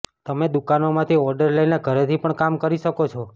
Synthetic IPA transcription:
t̪əmed̪ukanomãt̪ʰiɔɾɖəɾləineɡʱəɾet̪ʰipəɳkamkəɾiʃəkot͡ʃʰɔ

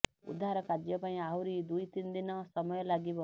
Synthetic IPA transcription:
ṵd̪ʱaɾɔkad͡ʒjɔpaĩaɦwɾid̪ujt̪ind̪inɔsɔmɔjɔlaɡibɔ

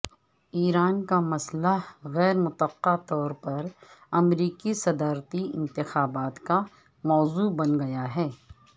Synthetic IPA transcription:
iːɾaːnkamɐslaɣɛːɾmʊt̪əqːat̪ɔːɾpɐɾɐmɾiːkisɐd̪aːɾt̪iɪ̰̃nt̪ɪxaːbaːt̪ka | mɔːzubɐnɡɐjaɦɛː

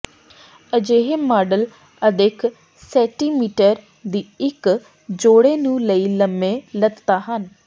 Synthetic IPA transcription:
əd͡ʒeːɦeːmaːɖəl | əd̪ekʰ | sɛ̃ːʈiːmiːʈəɾ | d̪iːɪk | d͡ʒoːɽeːnũːləiːləmːẽːləd̪t̪aːɦən

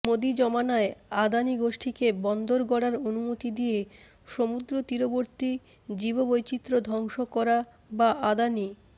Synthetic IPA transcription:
mod̪id͡ʑɔmanaead̪aniɡoʃʈʰikebɔnd̪oɾɡɔɽaɾonumot̪id̪ije | ʃomud̪ɾot̪iɾoboɾt̪i | d͡ʑibobojt͡ɕit̪ːɾod̪ʱɔŋʃokɔɾa | baʔad̪ani

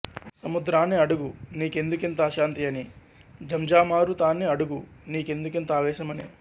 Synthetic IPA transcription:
sɐmud̪ɾaːneɐɽuɡuniːke̞nd̪ukent̪ɐːʃaːnt̪ijɐni | d͡ʒʱɐmd͡ʒaːmaːɾut̪aːneɐɽuɡuniːke̞nd̪ukent̪ɐaːʋɛːʃɐmɐni

